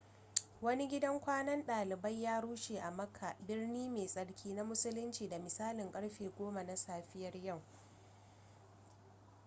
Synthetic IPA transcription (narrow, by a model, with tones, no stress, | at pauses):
wɐ˦ni˦ɡʲɪ˦dɐ˦ŋkʷaː˦nɐ˦nɗaː˨lɪ˨bɐ˦jjːaː˦ɽuː˦ʃeː˨ʔa˨mɐ˦kʰːa˨ʔbɪ˦rniː˦meː˨sʼɐ˨ɽkʲʰiː˦na˦mʊ˦sʊ˦lʊ˦nt͡ʃiː˨da˨mɪ˨saː˦lɪ˨ŋkʼɐ˦ɽɸeː˨ɡʷoː˦ma˨na˦saː˦˨ɸɪ˦jɐ˨rjɐ˦˨w